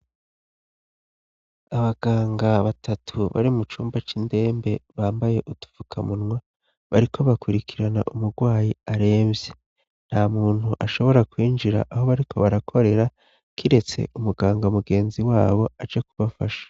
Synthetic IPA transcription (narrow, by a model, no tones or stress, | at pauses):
aβaɡ̥aːŋɡaβatʰatʰuβa̰ɾimut͡ʃuːmbat͡ʃinde̞ːmbe̞βaːmbaje̞ʔutu̥v̥ukʰamunŋwa | βaɾikʰo̞βakuɾikʰiɾana̰ʔumuɾɡwaːjiaɾe̞ːmze | n̥hamuːn̥huʔaʃo̞βo̞ɾakwiːnd͡ʒiɾa̰ʔaɦo̞βaɾikʰo̞βaɾakʰo̞ɾe̞ɾa | kʰiɾe̞t͡se̞̰umuɡaːŋɡamuɡe̞ːnziwaːβo̞ad͡ʒekuβafaʃḁ